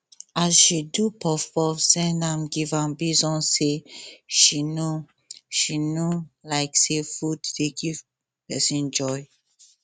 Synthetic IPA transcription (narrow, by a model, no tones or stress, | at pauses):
azʃidupʰɔfɔvsɛ̃nãmɡivãmbizɔ̃seʃino | ʃinolaɪksefuddeɡiv | pɛsĩnd͡ʒɔj